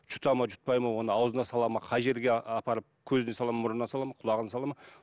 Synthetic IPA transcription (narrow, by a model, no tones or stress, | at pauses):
t͡ʃʰʊ̥t̪ɑmɑʒʊ̥t̪̚pɑjmɑwo̞nəɑwzənɑsɑlˠɑmɑqʰɑjʒe̞ɾɡʲeɑpɑɾəp̚kʲʰɵzɪnesɑlˠɑmɑmʊɾənɑsɑlˠɑmɑqʰʊlˠɑʁənɑsɑlˠɑmɑ